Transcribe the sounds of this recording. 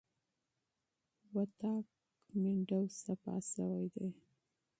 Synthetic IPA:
wat̪ɑk | mɪɳɖawsapɑ̰sawajd̪ej

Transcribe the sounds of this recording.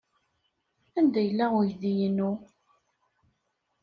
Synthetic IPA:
ænd̪æjəlːæʁʊjðijənu

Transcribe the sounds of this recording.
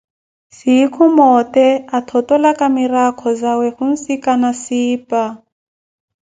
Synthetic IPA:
siikʰɔmɔt̪ɛat̪ʰɔtɔlakamiɾakʰɔzawɛhun̩sikanasiːpa

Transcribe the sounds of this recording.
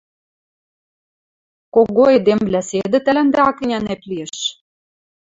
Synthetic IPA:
koɣoed̪emvlæsed̪ɘ̆t̪ælænd̪æɑkinʲænæt̪liĕʃ

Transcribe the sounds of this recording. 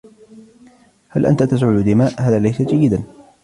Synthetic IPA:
halʔa̰nt̪at̪as̬ʕʊd̪ʊd̪ɪmaːʔhaːðaːlajsad͡ʒajːɪd̪an

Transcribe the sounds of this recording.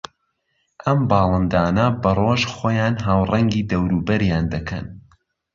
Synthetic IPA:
ʔɐmbɑːlˠɐnd̪aːnɐbɐrˤoːʒxoːjaːnɦaːwrɐŋɡiːd̪ɐwɾuːbɐɾjaːnd̪ɐkʰɐ̰n

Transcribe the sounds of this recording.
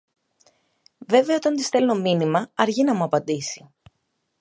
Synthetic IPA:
ve̞ve̞ɐo̞t̪ɐnt̪ist̪e̞lno̞minimɐɐɾʝinɐmuɐpɐnd̪isi̥

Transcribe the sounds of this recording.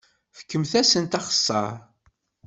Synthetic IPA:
fə̥kːəmθæsənt̪ɑχə̥sːɑ̰ɾˤ

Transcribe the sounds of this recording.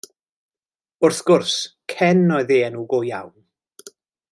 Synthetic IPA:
ʊrθɡ̥ʊrskʰɛnːɔjðeːənuːɡoja̰wn

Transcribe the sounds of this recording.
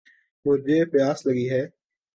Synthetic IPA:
mʊd͡ʒʱeːpjaːsləɡiːɦɛː

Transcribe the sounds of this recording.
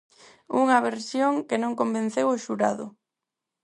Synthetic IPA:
uŋɐβeɾsjoŋkɪnõŋkombẽn̟θewoʃuɾa̰ðʊ̰

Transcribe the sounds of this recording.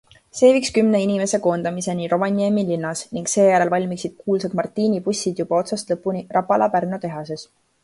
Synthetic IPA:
se̞ːvikskymne̞inime̞se̞ko̞ːnd̪ɑmise̞niɾo̞mɑnʲiemilinːɑsniŋɡse̞ːjæɾe̞lvɑlʲmiksid̪̥̚kuːlsek̪mɑrt̪ːiːnipusʲːid̪̥jub̥ɑo̞t̪sɑst̪lɤpːunirɑpːɑlɑpærnot̪e̞ɦɑse̞s

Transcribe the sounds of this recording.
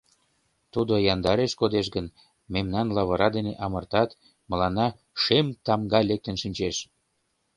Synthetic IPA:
t̪ud̪ojɑnd̪ɑɾeʃkod̪eʃ̬ɡən | memnɑnlɑβɤɾɑd̪eneʔɑmərt̪ɑt̪ | mə̆lɑnɑ | ʃemt̪ɑmɡɑlek̚t̪ənʃinʲt͡ɕeʃ

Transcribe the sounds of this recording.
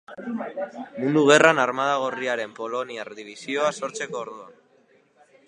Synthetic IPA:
mũnd̪uβ̞e̞ranaɾmað̞aɣ̞oriaɾe̞mpo̞lo̞niarðiβ̞isio̞aso̞ɾt͡se̞ko̞ːɾðuan

